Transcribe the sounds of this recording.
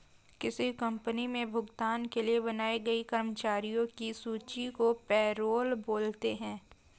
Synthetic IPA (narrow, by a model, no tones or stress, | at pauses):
kɪsikɐ̃mpənimẽbʱʊɡt̪aːnkeliebɐnaːeɡɐikɐɾmət͡ʃaːɾijõkisuːt͡ʃikopɛːɾoːlboːlt̪eɦɛ̃ː